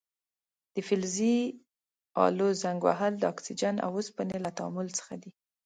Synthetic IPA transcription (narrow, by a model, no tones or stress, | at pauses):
d̪̥əfɪlzi | ɑ̰lozaŋɡwa̰ɦald̪əɑksid͡ʒana̰wospənelat̪aɑmʊlt͡sə̥xad̪i